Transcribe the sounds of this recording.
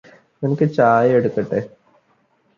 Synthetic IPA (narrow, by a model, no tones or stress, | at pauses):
nenɐkʲːɨt͡ɕaːjeɽukːɐʈːe